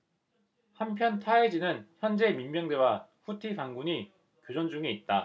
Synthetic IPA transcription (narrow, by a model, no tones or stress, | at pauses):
hampʰjʌntʰaed͡ʑinɯnçjʌnd͡ʑe̞mimmjʌŋde̞waɸutʰipaŋɡuɲi | kjod͡ʑʌnd͡ʑuŋe̞it̚t͈a